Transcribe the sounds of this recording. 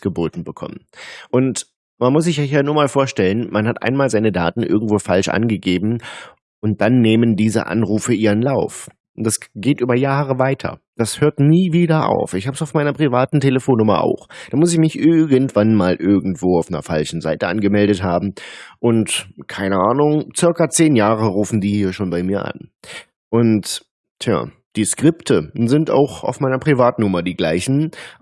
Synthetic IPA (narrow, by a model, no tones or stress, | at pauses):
ɡ̥əboːtn̩bəkʰɔ̰mənʔʊnt | manmʊs̬z̥ɪçjɔçjaːnuːɐmaːlfoːɐʃtɛlənmanhatʔa̰ɪnmaːlzaɪnəda̰ːtn̩ʔɪ̰ɐɡŋ̩tv̥oːfa̰lʃʔa̰nɡəɡeːbm̩ | ʔʊnt̚d̥anːeːməndiːzə̰ʔa̰nʁuːfəʔiːʁənlaʊf | d̥asɡ̥eːtʔyːbɐjaːʁ̞əvaɪtʰɐ̰ | d̥ashøːɐtniːviːdɐʔa̰ʊfɪçhaːbəsaʊfmaɪnɐpʁ̥ivaːtn̩tʰeləfoːnːʊmɐ̰ʔa̰ʊxd̥aːmʊs̬ɪçmɪçʔɪɐɡəntv̥anmaːlʔɪɐɡŋ̩tv̥oːaʊfnɐ̰falʃn̩za̰ɪtəʔanɡəmɛldətɦaːbm̩ʔʊntkʰaɪnəʔaːnʊŋt͡sɪɐkat͡seːnjaːʁəʁuːfn̩diːhiːɐʃoːnbaɪmiːɐʔa̰n | ʔʊnt | tʰja̰ː | d̥iːskʁ̥ɪptʰəzɪnta̰ʊxa̰ʊfmaɪnɐpʁ̥ivaːtn̩ʊmɐdiːɡla̰ɪçn̩